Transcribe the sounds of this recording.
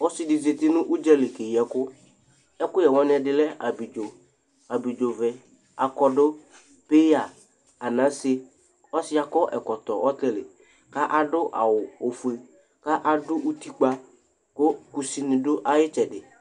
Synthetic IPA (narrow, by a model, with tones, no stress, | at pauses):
ɔ˦sɪ˦dɪ˨ze˨t̪ɪ˦nʊ̃˦ʔu˦d͡ʒɛ˦lɪ˨ke˨jɛ˨kʊ˦ | ɛ˦kʊ˦jɛ˨wɔ̃˦nɪ˦ɛ˨dɪ˨lɛ˦a˨bi˨d͡ʒo˨ | a˨bi˨d͡ʒo˨vɛ˨ | a˨kɔ˦dʊ˦ | pe˦ja˨ | a˨nã˨˦sɪ˦ | ɔ˦sɪ˦a˨kɔ˦ʔɛ˨kɔ˨t̪ɔ˨ʔɔ˦tɛ˦lɪ˨ | ka˦ʔa˨dʊ˦ʔa̰˨wʊ˨o˨fu˨e˨ | ka˦ʔa˨dʊ˦ʔu˦t̪i˦k͡pa˦ | kʊ˦ku˨si˦nɪ̃˨dʊ˦ʔa˦jɪ˦t͡ʃɛ˨dɪ˨